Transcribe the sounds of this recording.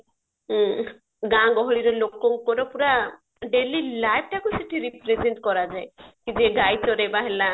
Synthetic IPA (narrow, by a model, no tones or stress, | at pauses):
ɡãɡɔɦɔɭiɾɔlokɔŋkɔɾɔpuɾa | ɖelilajp̚ʰʈakuseʈʰiɾipɾezeɳʈkɔɾad͡ʒaekid͡ʒeɡajt͡ʃɔɾebaɦela